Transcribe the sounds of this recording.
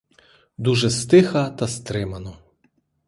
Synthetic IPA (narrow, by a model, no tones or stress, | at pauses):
d̪uʒɛst̪ɪxɐt̪ɐst̪ɾɪmɐnɔ